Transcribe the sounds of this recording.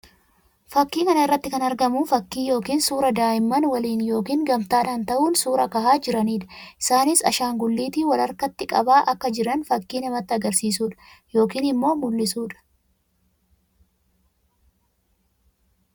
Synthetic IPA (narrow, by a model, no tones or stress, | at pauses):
fɐkːiːkɐnɐɪrːɐt̪ːɪkɐnɐɾɡɐmufɐkːiːjo̞ːkiːnsuːɾɐd̪aːʔɪmːɐnwɐliːnjo̞ːkiːŋɡɐmt̪aːᶑaːnt̪ɐʔuːnsuːɾɐkɐhaːd͡ʒɪɾɐniːᶑɐ̥ʔɪ̥saːnɪsɐ̰ʃaːŋɡʊlːiːt̪iːwɐlɐɾkɐt̪ːɪkʼɐ̰baːʔɐkːɐd͡ʒɪɾɐnfɐkːiːnɛmɐt̪ːɪɐɡɐɾsiːsuːᶑɐ̥jo̞ːkiːnɪmːo̞ːmʊlːɪsuːᶑɐ̥